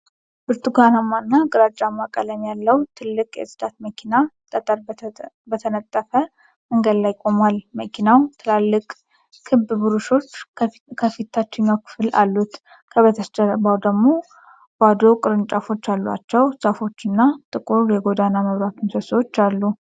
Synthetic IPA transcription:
bɨɾt̪ʰʼuɡanamːanːakʼɨɾat͡ʃʼːamːakʼələmjalːəwt̪ʰɨlːɨkʼjɛ̰sɨd̪at̪̚məkʰinat̪ʼət̪ʼəɾ | bət̪ʰənət̪ʼːəfə | məŋɡəd̪lajkʼo̞malməkʰinawt̪ʰɨlalːɨkʼ | kʰːɨbɨbɨɾuʃo̞t͡ʃː | kʰəfit̪ʰːat͡ʃːɛɲakʰɨ̥fɨla̰lːut̪ | kʰəβət̪ʰəst͡ʃəɾbawd̪əɡmo̞ | bad̪o̞kʼɨɾɨnt͡ʃʼafo̞t͡ʃːalːwa̰t͡ʃːɛwsʼəfo̞t͡ʃːɨnːat̪ʼɨkʼuɾjɛɡo̞d̪anaməβɾat̪ʰunsəsəwot͡ʃːalːu

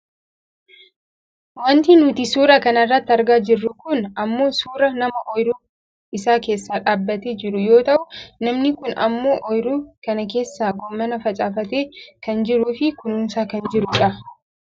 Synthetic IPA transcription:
wɐnt̪inʊt̪ɪsuːɾɐkɐnɐrːɐt̪ːɪɐɾɡaːd͡ʒɪrːʊkʊnɐmːo̞ːsuːɾɐnɐmɐʔɔjɾuː | ɪsaːkeːsːaːᶑaːbːɐt̪eːd͡ʒɪɾʊjo̞ːt̪ɐʔʊnɐmnɪkʊnɐ̰mːo̞ːʔɔjɾuːkɐnɐk̬e̞ːsːaːɡɔmːɐnɐfɐt͡ʃʼaːfɐt̪eːkɐnd͡ʒɪɾuːfɪkʊnuːnsaːkɐnd͡ʒɪɾʊᶑɐ

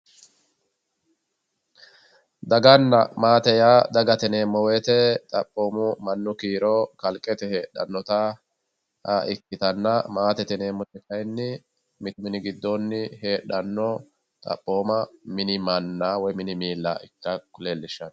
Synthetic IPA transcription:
d̪ɐɡɐnːɐmaːt̪ɛjaːd̪ɐɡɐt̪ɛne̞ːmːɔweːt̪ɛt̪ʼɐpʼːo̞ːmʊmɐnːʊkiːɾɔkɐlkʼɛt̪ɛhe̞ːɗɐ̰nːɔt̪a | haʔɪkːɪt̪ɐnːɐmaːt̪ɛt̪ɛne̞ːmːɔtɛkɐjnːɪ | mɪt̪ʊmɪnɪɡɪd̪ːonːɪhe̞ːɗɐnːɔ | t̪ʼɐ̰pʼːo̞ːmɐmɪnɪmɐnːaːwɔjmɪnɪmiːlːa̰ːɪkːɐkʊleːlːɪʃːɐn

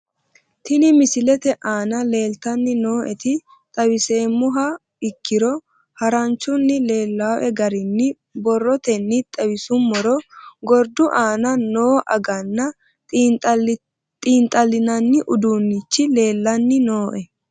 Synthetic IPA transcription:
t̪ɪnɪmɪsɪlɛt̪ɛʔaːnɐle̞ːlt̪ɐnːɪno̞ːʔɛt̪ɪ | t̪ʼɐwɪse̞ːmːʊɦɐ | ɪkːɪɾɔ | hɐɾɐnt͡ʃːʊnːɪle̞ːlːaːʔɛɡɐɾɪnːɪ | bɔrːɔt̪ɛnːɪt̪ʼɐwɪsʊmːɔɾɔɡɔɾd̪ʊʔaːnɐno̞ːʔɐ̰ɡɐnːɐ | t̪ʼiːnt̪ʼːɐlːɪnɐnːɪʔʊd̪uːnːɪt͡ʃːɪle̞ːlːɐnːɪnoːʔɛ

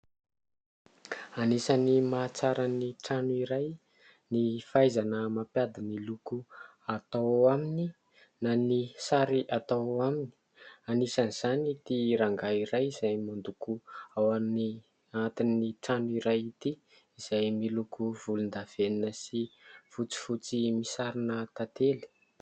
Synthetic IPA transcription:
anisanimat͡saɾaniʈ͡ʂanuiɾaj | nifajzanəmapjad̪imiluku | at̪awamini | nanisaɾiʔat̪awamini̥ | anisaniz̥anit̪iɾaŋɡaiɾajiz̥ajmand̪ukuawani | aat̪inːiʈ͡ʂanuiɾajit̪i | iz̥ajmilukuv̥ulund̪av̥eninəsifut͡si̥fut͡simisaɾinət̪at̪eli̥

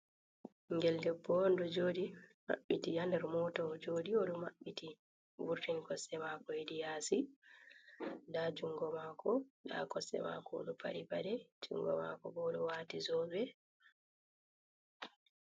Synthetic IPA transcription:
ŋɡɛldɛbːɔndɔd͡ʒodima̰ɓːitijandɛɾmɔtɔd͡ʒoːdiɔɗɔmaɓːiti | vuɾtinkɔsːɛmakɔedijasi | dad͡ʒuŋɡɔmaːkʰɔda̰kɔsːɛ̰ma̰kɔo̰ɗupa̰ɾibadɛd͡ʒṵŋɡɔ̰ma̰kɔbɔɗɔwatizɔbɛ

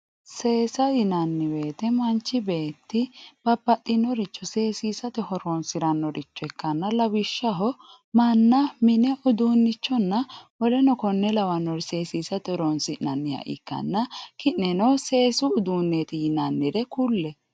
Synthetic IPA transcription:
se̞ːsɐjɪnɐnːɪbe̞ːt̪ɛmɐnt͡ʃːɪbe̞ːt̪ːɪb̥ɐpːɐtʼːɪnːɔɾɪt͡ʃːɔse̞ːsiːsɐt̪ɛhɔɾɔnsɪɾɐnːɔɾɪt͡ʃːɔɛkːɐnːɐlɐwɪʃːɐɦɔ | mɐnːɐmɪnɛʔʊd̪uːnːɪt͡ʃːɔnːɐwɔlɛnɔkɔnːɛlɐwɐnːɔɾse̞ːsiːsɐt̪ɛɔɾɔnsɪnɐnːɪja̰ʔɪ̰kːɐ̰nːɐkɪnnɛnɔse̞ːsʊːd̪uːnːet̪ɪjɪnɐnːɪɾɛkulːɛ

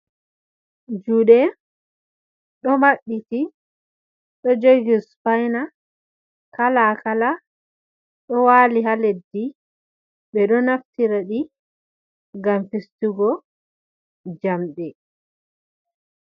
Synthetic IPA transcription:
d͡ʒuɗɛ | ɗɔmaɗːiti | ɗɔd͡ʒoɡispajna | kalakala | ɗɔwaliɦaledːi | ɗbɛɗɔnaftiɾaɗi | ɡamfistuɡɔ | d͡ʒamɗɛ

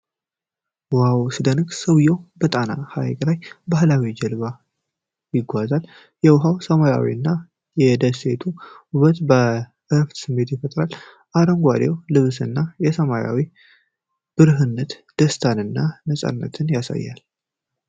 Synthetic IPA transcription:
whawsɨd̪ənɨksəwjɛwbət̪ʼana̰hajkʼlajbahlawid͡ʒəlβa | jɪɡʷazal | jɛwɦawsəmaja̰wḭɨnːa | jɛd̪əse̞t̪ʰuuβət̪bəʔɨft̪sɨmːe̞t̪jɪfət̪ʼɾal | ʔaɾəŋɡʷad̪ewlɨβsɨnːajɛsəmaja̰wi | b̥ɨɾɦɨnːət̪d̪̥əst̪ʰanɨnːanəsʼa̰nːə̰t̪ʰɨnjasa̰jːa̰l

